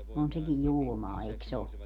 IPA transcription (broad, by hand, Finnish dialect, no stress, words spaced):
on sekij julmɑː eiks o